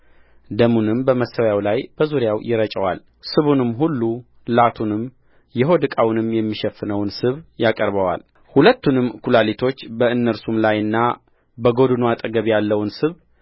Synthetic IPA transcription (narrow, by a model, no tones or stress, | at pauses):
d̪əmunɨmbəməsəwjawlajb̥əzuɾjawjɪɾət͡ʃʼəwa̰l | sɨβunɨmːɦulːu | lat̪ʰunɨm | jɛɦo̞d̪ɨkʼawnɨmjɛmːiʃɛfːɨnəwnsɨβjakʼəɾβəwa̰l | hulət̪ːunɨmːkʰulalit̪ʰo̞t͡ʃːbəɨnːəɾsumlajɨnːa | bəɡo̞d̪ɨnuat̪ʼəɡəβjalːəwnsɨβ